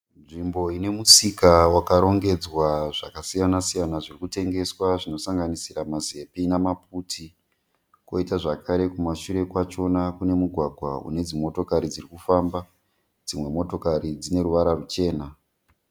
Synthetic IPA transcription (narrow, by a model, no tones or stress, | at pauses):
nʐimbo̞ine̞musikawakaɾo̞ŋɡe̞d͡zwaʐakasijanasijanaʐirikute̞ŋɡe̞swaʐino̞saŋɡanisiɾamaze̞pinamap̚ʰutʰi | ko̞̰itaʐakʰaɾe̞kumaʃuɾe̞kwat͡ʃo̞nakune̞muɡʱwaɡʱwa̰ṵne̞d͡zimo̞to̞kaɾid͡zirikufamba | d͡zimwe̞mo̞to̞kaɾid͡zine̞ɾuʋaɾarut͡ʃe̞ːna